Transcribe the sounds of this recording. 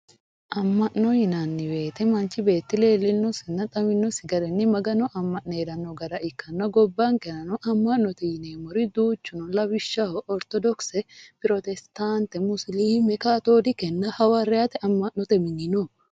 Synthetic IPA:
ʔɐmːɐʔnːohɪnaːnːɪbeːt̪ɛmɐnt͡ʃɪbe̞ːt̪ːɪleːlːɪnːʊsɪnːɐt̪ʼɐmɪnːɔsɪɡɐɾɛnːɪmɐɡɐnɔʔɐmːɐʔneːɾɐnːɔɡɐɾɐʔɪkːɐnːɐɡɔbːaŋkɛnɐnɔʔɐmːɐʔnːɔt̪ɛjɪneːmɔɾɪd̪uːt͡ʃːʊnɔlɐbɪʃːaɔʔɔɾt̪ɔd̪ɔksɛpɪɾɔt̪ɛst̪aːnt̪ɛmʊsliːmɛkaːt̪oːd̪ɪkɛnːɐhɐwarɛaːt̪ɛʔɐmːɐʔnɔt̪ɛmɪnɪnɔ

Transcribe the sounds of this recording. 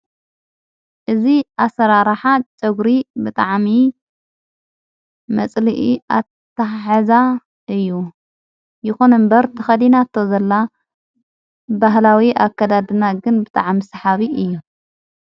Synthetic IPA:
ʔɨziʔasɐɾaɾaħat͡ʃʼɨɡɾibɨt̪ʼaʕmi | mɐt͡sʼlɨʔia̰ | t̪ʰːaħaza | ʔɨjːu | jɪxo̞nɨmbɐɾt̪ʰɨxɐd̪inat̪ʰːozɐlːa | baɦlawiʔakːɐd̪ad̪ɨnaɡɨnbɨt̪ʼa̰ʕmisɐħaβiɨjːu

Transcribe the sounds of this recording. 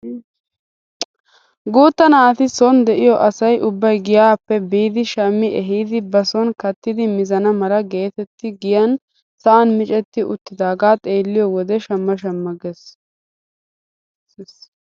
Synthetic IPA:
ɡuːt̪ːɐnaːt̪ɪsɔnd̪ɛʔɪjɔʔɐsɐjʔʊbːɐjɡɪjaːpːɛbiːd̪ɪʃɐmːɪʔɛɦiːd̪ɪbɐsɔnkɐt̪ːɪd̪ɪmɪzɐnɐmɐlɐɡe̞ːt̪ɛt̪ːɪɡɪjɐn | sɐʔɐnmɪt͡ʃʼɛt̪ːɪʔʊt̪ːɪd̪aːɡaːt̪ʼeːlːɪjɔwɔd̪ɛʃɐmːɐʃɐmːɐɡɛs

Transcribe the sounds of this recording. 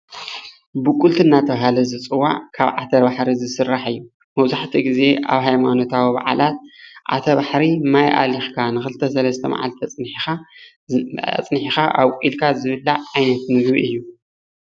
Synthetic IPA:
bɨkʼult̪ʰɨnːat̪ʰɐβaɦalɐzɨt͡sʼɨwːa̰ʕkʰaβʕat̪ʰɐbaħɾizɨsɨrːaħɨjːu | mɐβzaħt̪ʰiɡize̞ʔa̰βɦajmano̞t̪ʰawiba̰ʕa̰lʔat̪̚ʔa̰t̪ʰɐβaħɾimajʔa̰lixkʰanɨxɨlɨt̪ʰɐsɐlɐst̪ʰɐ̰ma̰ʕa̰lt̪ʰɐt͡sʼnħixa | t͡sʼnħixaʔaβkʷʼilkʰazɨβɨlːaʕajnɐt̪mɨɡbiʔɨjːu

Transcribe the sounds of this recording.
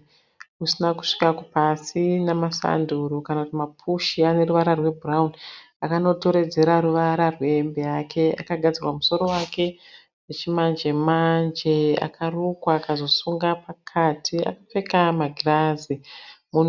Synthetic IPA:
usinaku̥ʂi̥kakupasinamasa̰nduɾukanakutimapʰuʃiane̞ruʋaɾarwe̞bʱuraun | akano̞to̞ɾe̞d͡ze̞ɾaɾuʋaɾarwe̞mbejakʰe̞a̰kaɡʱad͡zirwamuso̞ɾo̞wake̞ | wet͡ʃimand͡ʒe̞mand͡ʒe̞a̰kʰarukwaːkazo̞suŋɡapakʰatʰia̰kafe̞kamaɡʱirazimun

